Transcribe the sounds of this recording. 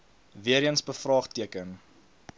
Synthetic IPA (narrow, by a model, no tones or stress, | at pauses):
viəɾiənsbəfrɑːχtiəkən